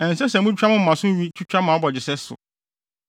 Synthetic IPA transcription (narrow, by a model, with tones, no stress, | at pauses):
ɛ˨n˨sɛ˦sɛ̃˨mũ˦a˦mʊ̃˦˨mã˨sʊ̃˦ɥi˦t͡ʃʰu˦t͡ɕᶣa˦mã˨˦bɔ˨d͡ʑɪ˨sɛ˦sʊ̰˨